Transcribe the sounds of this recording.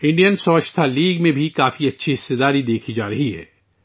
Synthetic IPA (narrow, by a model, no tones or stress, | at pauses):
ɪ̃ɳɖijənsɐʋəʃt̪ʰaliːɡmẽbʱikaːfiɐtːʃʰiɦɪsːed̪aːɾid̪eːkʰid͡ʒaːɾɐɦiɦɛ̰ː